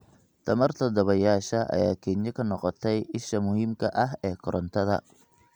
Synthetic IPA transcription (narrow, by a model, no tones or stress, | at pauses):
t̪ʰɐmɐrt̪ʰɐd̪ɔβɐjaːʃɐʔɐ̰jaːkʰɛnɐkʰɐnɔqɔt̪ʰɛjʔɪʃɐmʊɦiːmkʰɐʔɐɦɛːkʰɔɾɔnt̪ʰɐðɐ̰